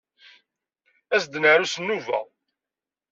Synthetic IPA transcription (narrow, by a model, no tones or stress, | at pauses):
æsd̪naɾusənːuvæ̰